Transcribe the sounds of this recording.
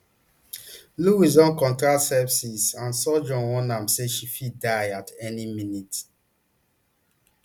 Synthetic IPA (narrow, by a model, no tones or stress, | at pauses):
luis̬ɔ̃nkɔ̃ntɹatsɛpsisãnsɔd͡ʒɔ̃nwɔ̃nãmseʃifidaɪatɛniminit